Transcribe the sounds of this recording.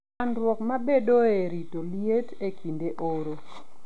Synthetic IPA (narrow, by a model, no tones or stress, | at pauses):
anɾwɔkmabedoeɾitoljetekʰindeʔoɾo